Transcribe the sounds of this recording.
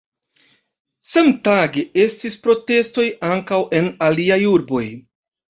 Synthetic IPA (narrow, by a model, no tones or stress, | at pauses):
semtaɡee̞stispɾo̞te̞sto̞jaŋkawʔe̞naliajuɾbo̞j